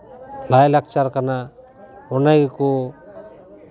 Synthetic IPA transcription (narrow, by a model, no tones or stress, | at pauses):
lajlak̚t͡ʃaɾkana | ɔnajɡeku